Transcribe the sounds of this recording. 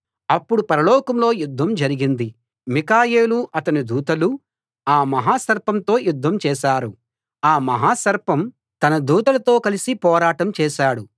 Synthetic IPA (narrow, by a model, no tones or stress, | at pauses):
ɐpːuɽupɐɾɐlɔːkɐmlo̞ːjud̪ʱːɐmd͡ʒɐɾiɡind̪i | mikaːjeːluʔɐt̪ɐnid̪uːt̪ɐlu | aːmɐɦaːsɐɾpɐmt̪o̞ːjud̪ʱːɐmt͡ʃɛːʃaːɾu | aːmɐɦaːsɐɾpɐm | t̪ɐnɐd̪uːt̪ɐlɐt̪o̞ːkɐlisipɔːɾaːʈɐmt͡ʃɛːʃaːɽu